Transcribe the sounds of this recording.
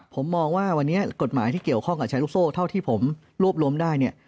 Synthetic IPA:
pʰo˩˦mːɔː˧ŋwaː˥˩wa˧nːi˦˥ɐko˨˩t̪̚maː˩˦jt̪ʰiː˥˩ki˨˩əwkʰɔ˥˩ŋka˨˩t͡ɕʰa˧˦˥lu˦˥k̚soː˥˩t̪ʰa˥˩wt̪ʰiː˥˩pʰo˩˦m | ɾu˥˩əp̚ɾu˧əmdaː˥˩jni˥˩ɐ

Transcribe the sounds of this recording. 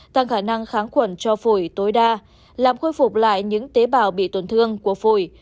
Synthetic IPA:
t̪a˧˩ŋxaː˧˩na˧ŋxaː˨˦ŋxwə˧˩nt͡ɕɔ˧fu˧˩jt̪o˨˦jɗaː˧ | laː˨˩mxoː˧jfʊ˨˩k͡p̚la̰ː˧˨jɲɨ̰˧˥ŋt̪e˨˦ɓaː˨˩wɓḭ˧˨t̪wə˧˩nt̪ʰɨ˧əŋku˧˩əfu˧˩j

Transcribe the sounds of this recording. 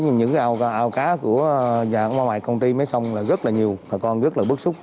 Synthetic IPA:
ɲɨ˧ŋɲɨ̰˧˥ŋkaː˨˦˧ʔaː˧wkaː˨˦ku˧˩əza̰ː˧˨˩ŋmwaː˧ma̰ː˧˨jkə˧wŋ͡mt̪i˧maː˨˦jsa˧wŋ͡mlaː˨˩ɣə˦˥t̚laː˨˩ɲi˨˩əwmaː˨˩kɔ˧nɣə˦˥t̚laː˨˩ɓɨ˦˥k̚sʊ˦˥k͡p̚

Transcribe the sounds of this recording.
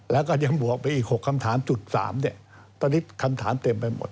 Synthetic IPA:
lɛː˦˥wkɔː˥˩ja˧˩ŋbu˨˩ək̚pa˧jʔiː˨˩k̚ho˨˩kʰːa˧mt̪ʰaː˩˦mt͡ɕu˨˩t̪̚sa̰ː˩˦mni˥˩ə | t̪ɔː˧ni˦˥tkʰa˧mt̪ʰaː˩˦mt̪e˧mpa˧jmo̰˨˩t̪̚

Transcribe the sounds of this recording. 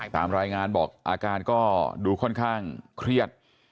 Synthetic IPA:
a˥˩k̚sʰa̰ː˩˦mɾaː˧jŋaː˧nbɔ̰ː˨˩k̚ʔa̰ː˧kaː˧nkɔː˥˩duː˧kʰɔ˥˩nkʰaː˥˩ŋkʰɾi˥˩ət̪̚

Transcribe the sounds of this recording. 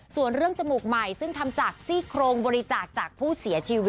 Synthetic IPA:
su˨˩ənɾɯ˥˩əŋt͡ɕa˧muː˨˩k̚ma˨˩jsɯ˥˩ŋt̪ʰa˧mt͡ɕaː˨˩k̚siː˥˩kʰɾoː˧ŋbɔː˧ɾi˦t͡ɕaː˨˩k̚t͡ɕaː˨˩k̚pʰuː˥˩si˨˩˦t͡ɕʰiː˧wi˦

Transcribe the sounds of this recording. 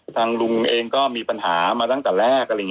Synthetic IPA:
t̪ʰaː˧ŋlu˧ŋʔeː˧ŋkɔː˥˩miː˧pa˧nɦaː˩˦maː˧t̪a˥˩ŋt̪ɛː˨˩lɛː˥˩k̚ːj

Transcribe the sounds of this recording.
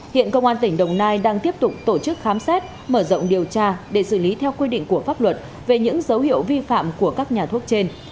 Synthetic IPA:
hḭ˧˨ənkə˧wŋ͡mʔaː˧nt̪ï˩ŋ̟ɗə˨˩wŋ͡mnaː˧jɗaː˧ŋt̪i˦˥əp̚t̪ʊ˨˩k͡p̚t̪o˧˩t͡ɕɨ˦˥k̚xaː˨˦msɛ˦˥t̚ | məː˧˩zə̰˧˨wŋ͡mɗi˨˩əwt͡ɕaː˧ɗe˧˩sɨ˧˩li˨˦t̪ʰɛ˧wkwi˧ɗḭ˧˨ŋ̟ku˧˩əfaː˦˥p̚lwə˨˩t̚ | ve˨˩ɲɨ̰˧˥ŋzə˨˦whḭ˧˨əwvi˧fa̰ː˧˨mku˧˩əkaː˦˥k̚ɲaː˨˩t̪ʰu˦˥ət̚t͡ɕe˧n

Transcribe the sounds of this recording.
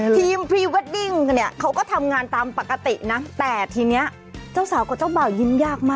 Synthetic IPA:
t̪ʰiː˧mpʰɾiː˧we˦˥t̪̚di˧˩ŋni˦˥˩ɐkʰa˦˥wkɔː˥˩t̪ʰa˧mŋaː˧nt̪aː˧mpa˨˩kːa˧t̪i˨˩na˦˥t̪ɛː˨˩t̪ʰiː˧ni˦˥ɐ | t͡ɕaː˥˩wsaː˩˦wkɔː˧˩t͡ɕaː˥˩wbaː˨˩wji˦˧˥mjaː˥˩k̚maː˥˩

